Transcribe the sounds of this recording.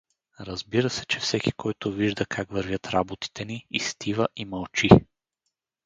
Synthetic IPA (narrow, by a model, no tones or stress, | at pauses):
ɾɐzbiɾəsɛt͡ʃɛfsɛki̥kʰɔjt̪ʊviʒd̪əkʰakvəɾvʲjət̪ɾabot̪i̥t̪ɛniist̪ʰivəʔimɐlˠt͡ʃi